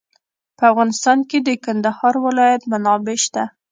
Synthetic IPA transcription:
pəafɣɑnɪst̪ɑnked̪əkand̪ahɑɾwɪlɑjat̪manɑbeʃt̪a

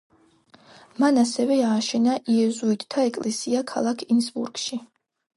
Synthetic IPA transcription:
manasɛvɛaːʃɛnaʔiɛzuit̪ʰt̪ʰːaɛkʼlɛsiakʰa̰lˠakʰinsbṵɾɡ̥ʃi

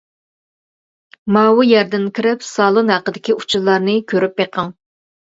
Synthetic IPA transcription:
mɑːwujɛɾd̪ɪnkʲʰiɾɪpsɑːlˠunɦæqəd̪ɪkʲiu̥t͡ʃʰulˠːɑɾnɨkʲʰøɾypjeqʰəŋ

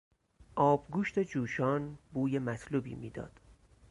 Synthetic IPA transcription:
ʔɒːbɡuːʃt̪ʰe̞d͡ʒuːʃɒːnbuːjemæt̪ʰluːbḭːmḭːd̪ɒ̰ːd̪̥

